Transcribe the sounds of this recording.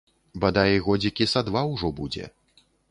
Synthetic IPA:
bɐd̪ajiɣɔd͡zʲikʲisad̪vawʐɔbud͡zʲɛ̰

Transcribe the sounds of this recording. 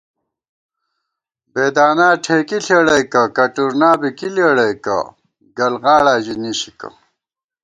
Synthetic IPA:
beːd̪aːnaːʈʰekiɬʰeːɽɐjkɐkɐʈuɾnaːbikileɽɐjkɐ̰ | ɡɐlɣaːɭaːʑiniɕikɐ̰

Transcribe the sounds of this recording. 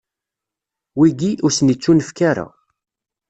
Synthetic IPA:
wiɡiʔʊɾsənit͡sːunəfkaɾa̰

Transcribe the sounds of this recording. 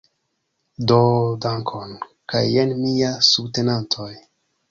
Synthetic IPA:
dodaŋkʰonkajenmiasubte̞nantʰoj

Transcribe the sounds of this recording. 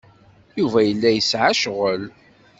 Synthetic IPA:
juvæjəlːæjəsʕaʃʁəl

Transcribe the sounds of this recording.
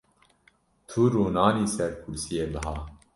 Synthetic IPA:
t̪ʰuɾuːnɑːniːsɛɾkʰuɾsijeːbɨɦɑː

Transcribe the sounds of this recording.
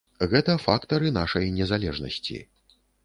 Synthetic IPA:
ɣɛt̪ɐfakt̪ɐɾɨn̪aʂɐjnʲɛzalʲɛʐnɐ̰sʲt͡sʲḭ

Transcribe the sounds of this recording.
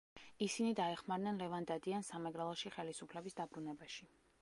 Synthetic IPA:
isinid̪aɛχmaɾnɛnlɛvand̪ad̪iansamɛɡɾɛlˠɔʃiχɛlisupʰlɛbisd̪abɾunɛbaʃi

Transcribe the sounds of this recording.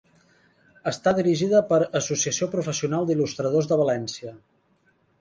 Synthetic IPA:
əst̪aðiɾiʒiðəpəɾəsusiəsiopɾufəsiunalˠd̪ilust̪ɾəð̞ozðəβ̞əlɛnsiə

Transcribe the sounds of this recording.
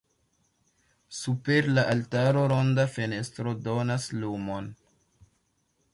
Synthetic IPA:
supe̞ɾlaʔaltaɾo̞ɾo̞ndafe̞ne̞stɾo̞do̞naslumo̞n

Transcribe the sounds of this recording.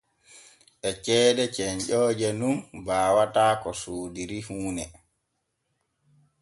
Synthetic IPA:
ʔɛt͡ʃɛːɗɛt͡ʃɛɲd͡ʒɔːd͡ʒɛnunbaːwataːkɔsoːdiɾihuːnɛ

